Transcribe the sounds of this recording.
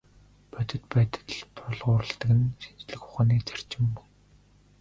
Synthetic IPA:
pœt̪ɘ̆t̪̚pæːt̪ə̥̆ɮpʰɔɮʁʊːɾə̆ɬt̪ə̆kɘ̆nʃint͡ɕɮɘ̆xχʊ̥χaːniːt͡sær̥t͡ɕɪ̆mpʊ̥j

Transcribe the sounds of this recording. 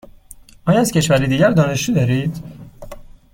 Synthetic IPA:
ʔɒːjɒæz̥cʰe̞ʃvæɾid̪iːɟæɾd̪ɒːne̞ʃd͡ʒuːd̪ɒɾiːd̪̥

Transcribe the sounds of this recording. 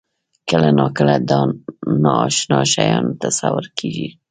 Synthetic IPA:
kəlanɑkəlad̪ɑnɑːʃnɑʃajɑnt̪asawʊɾkʰiʒi

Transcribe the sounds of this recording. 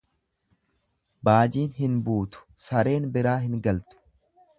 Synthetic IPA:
baːd͡ʒiːnhɪnbuːt̪ʊ̥sɐɾe̞ːnbɪɾaːɦɪŋɡɐlt̪ʊ̥

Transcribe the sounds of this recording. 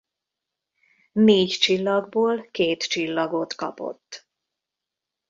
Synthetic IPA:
neːɟt͡ʃilːɒɡboːlkeːt̪t͡ʃilːɒɡot̪kɒpo̞̰t̪ː

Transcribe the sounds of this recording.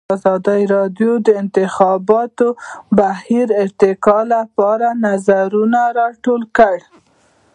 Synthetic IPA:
zɑd̪əiɾɑɖjod̪əɪnt̪ɪxɑbɑt̪obahiɾɪɾt̪ɪkɑlapɑɾanazaɾunaɾɑʈolkəɽ

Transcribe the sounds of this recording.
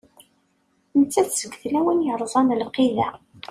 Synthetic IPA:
ənt͡sːæθsəɡθlæwənjəɾˤzˤɑnəlqiðæ

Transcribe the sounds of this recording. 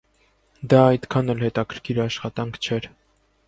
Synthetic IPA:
d̪ɑːjd̪kʰɑnɛlhɛt̪ɑkʰəɾkʰiɾɑʃχɑt̪ɑŋkʰt͡ʃʰɛɾ

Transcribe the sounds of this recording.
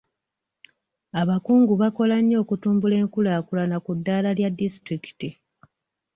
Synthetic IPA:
aβakuːŋɡuβako̞laɲːo̞ːkutuːmbule̞ːŋkulaːkulanakudːaːlaljadːistɾiki̥ti

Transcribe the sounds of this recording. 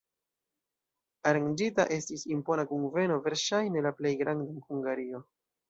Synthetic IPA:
aɾaŋd͡ʒita̰ʔe̞stisimpo̞nakuŋve̞no̞ve̞ɾʃajne̞laple̞jɡɾandanhuŋɡaɾio̞

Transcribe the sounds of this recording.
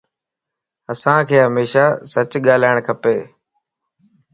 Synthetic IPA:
əsãːkʰeːɦəmeːʃaːsət͡ʃɠaːl̤aːɪɳ̃kʰəpeː

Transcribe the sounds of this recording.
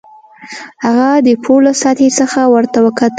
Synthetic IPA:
haɣad̪əpʰolasɑt̪esəxawəɾt̪awəkat̪

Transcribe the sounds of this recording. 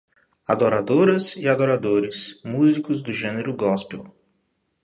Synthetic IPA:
ad̪oɾad̪oɾɐzɪad̪oɾad̪oɾɪsmuzikʊzd̪ʊʒẽneɾʊɡɔspew

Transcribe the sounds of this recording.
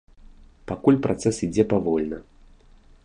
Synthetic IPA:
pakulʲpɾʔat̪sɛsid͡zʲɛpavɔlʲnɐ

